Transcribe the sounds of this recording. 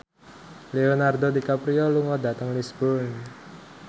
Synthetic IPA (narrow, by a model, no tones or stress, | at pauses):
leonardodikapɾiɔluŋɔdat̪əŋlisbɔn